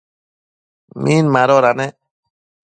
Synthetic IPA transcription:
mʔinmaɾɔɾanɛ

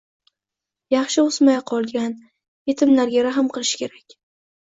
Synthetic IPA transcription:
jɑχʃɪʊsmajqʰɒlˠɡʲan | je̞t̪ʰɪmlaɾɡʲaɾaɦɨmqɨlˠɪʃɪ̥kʲʰe̞ɾakʲ

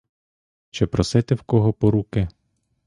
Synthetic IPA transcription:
t͡ʃɛpɾɔsɛt̪ɛwkɔɦɔpɔɾukɪ

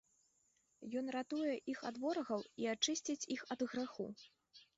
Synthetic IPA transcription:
jɔnrat̪ujɛʔixad̪vɔɾɐɣɐwiat͡ʂɨsʲt͡sʲit͡sʲixɐd̪ɣɾaxṵ

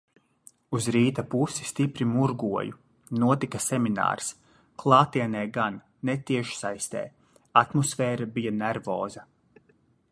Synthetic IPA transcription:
uzɾiːt̪apusi̥st̪ipɾimuɾɡuɔju | nuɔt̪ikasɛmina̰ːɾs | klˠɑːt̪iɛnɛːɡanːet̪iɛʃsajst̪ɛ̰ː | at̪mɔsfɛːɾabijanɛɾvɔ̰ːza

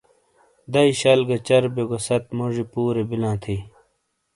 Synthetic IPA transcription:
d̪ɐiɕɐlɡɐt͡ɕɐɾbeɡosɐt̪muʐipuːɾebilãːt̪ʰiː

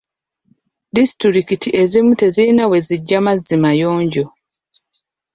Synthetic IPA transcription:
disi̥tɾiɾikitiʔe̞zimute̞zinawe̞ziɟːamazːimajoːɲɟo

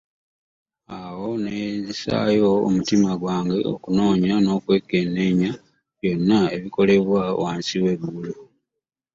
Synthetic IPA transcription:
awo̞nezisa̰jo̞̰ːmutimaɡwaːŋɡe̞o̰kuno̞ːɲano̞kwe̞kːe̞neɲa | βjo̞nːae̞βiko̞le̞βwa̰waːnsiwe̞βulu

